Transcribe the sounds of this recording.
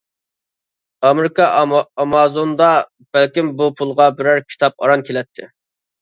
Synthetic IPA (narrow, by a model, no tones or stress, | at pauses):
ɑmeɾɪkɑɑmɑzond̪ɑ | b̥ælkʲimbupʰulˠʁɑbɪɾæɾkʲʰi̥t̪ʰɑp̚ɑ̰ɾɑnkʲʰelɛt̪ʰːɪ